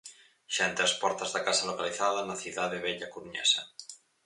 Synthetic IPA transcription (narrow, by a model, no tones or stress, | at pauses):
ʒ̥aent̪ɾaspɔɾt̪azðakasalokaliθaðanaθjiðaðeβeʎakuɾuɲɛ̰sa